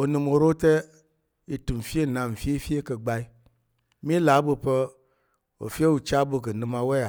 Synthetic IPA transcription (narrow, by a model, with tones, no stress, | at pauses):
o˨nɨ˨mo˨ɾo˦tɛ˦ | i˨tu˨m˨fi˦e˦˨nã˨m̩˨fi˦e˦fi˦e˦kə˨ɡ͡ba˦i˦ | mi˦la˨˦bɨ˧pə˦ | o̰˨fi˦e˦wu˨t͡ʃa˦bɨ˧k̬ɨ˨nɨ̃˦ma˦wɛ˦a˨